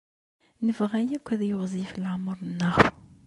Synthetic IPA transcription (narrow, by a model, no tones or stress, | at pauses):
nəvʁæjækʷːæðjoʁzˤifəlʕmːəɾˤnːəχ